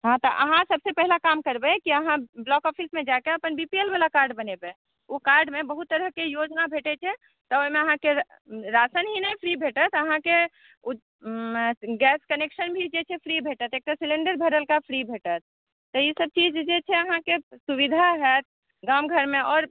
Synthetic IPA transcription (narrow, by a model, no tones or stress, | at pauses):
ɦãt̪ɔʔə̰ɦãsəbsepɛɦilakamkəɾbɛkiəɦãblɔkɔpʰismẽd͡ʒakeəpənbipielbalakaɾɖbənebe | okaɾɖmẽbəɦut̪ːəɾəɦkejod͡ʒnabʱeʈɛt͡ʃʰɛ | t̪ɔoimeəɦãke | ɾasənɦinəjpʰɾibʱeʈət̪ʰəɦãke | ɡɛskəneksənbʱid͡ʒet͡ʃʰɛpʰɾibʱeʈət̪eːk̚ʈasilẽɳɖəɾbʱəɾəlkapʰɾibʱeʈət̪̚ʰː | ɔisəb̚t͡ʃid͡ʒd͡ʒet͡ʃʰɛəɦãkesuβid̪ʱaɦɛt̪̚ʰ | ɡamɡʱəɾmeɔːɾ